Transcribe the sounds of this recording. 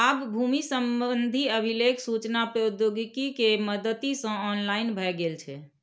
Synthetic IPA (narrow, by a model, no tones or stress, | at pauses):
abbʱumisəmbəənd̪ʱiəbʱilekʰsut͡ʃnapɾəud̪joɡikikeməd̪ət̪isə̃ɔnlaɪnbʱɛɛɡelt͡ʃʰɛ